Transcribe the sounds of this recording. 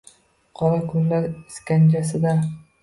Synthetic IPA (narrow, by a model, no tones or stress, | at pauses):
qʰɒɾakʰʊnlaɾɪskʲand͡ʒasɪd̪a